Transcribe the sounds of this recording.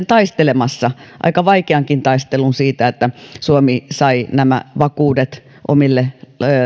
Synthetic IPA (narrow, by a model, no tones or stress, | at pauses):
nt̪ɑist̪elemɑsːɑʔɑ̰ikɑʋɑikeɑŋkint̪ɑist̪elunsiːt̪æet̪ːæsuomisɑinæmæ̰ʋɑkuːdet̪ | ʔo̰milːe